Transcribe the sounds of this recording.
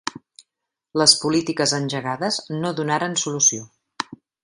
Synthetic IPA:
ləspulit̪ikəzənʲʒəɣaðəznoðunaɾənsulusio

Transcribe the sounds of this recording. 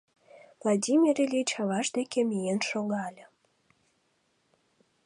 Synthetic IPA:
vlˠadʲimʲiɾelʲit͡ɕɑβɑʃd̪ekʲemʲijenʃoɣɑlʲə̆

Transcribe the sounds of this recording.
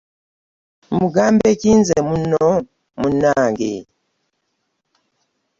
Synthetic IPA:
muɡambɛkinzɛmunɔ | munaŋɡḭ

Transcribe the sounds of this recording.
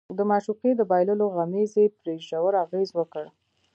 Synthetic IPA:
d̪əmɑʃuqed̪əbɑjlʊloɣamezepɾeʒawəɾaɣezwəkəɽ

